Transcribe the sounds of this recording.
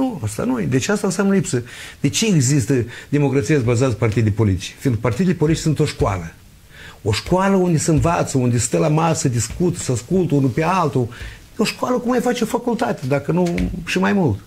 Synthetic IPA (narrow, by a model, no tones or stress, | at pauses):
nuast̪a̰nujed̪e̞t͡ʃeast̪aɨnsjamnəlipsəd̪̥e̞t͡ʃeːɡzist̪əd̪e̞mo̞kɾat̪sijas̬bazat̪zpart̪id̪ejpo̞lit̪i̥t͡ʃfiːnk̚part̪id̪elepolit̪it͡ʃsunt̪o̞ʃkoa̰lə | o̞ʃkoaləund̪esəɨnvat̪səund̪ʲest̪əlamasəd̪iskut̪səaskult̪əunupealt̪ujeo̞ʃkwaləkumajfat͡ʃeofakult̪at̪ed̪akənuʃimajmult̪